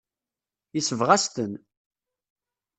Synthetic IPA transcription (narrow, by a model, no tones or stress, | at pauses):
jəsəvʁæst̪ən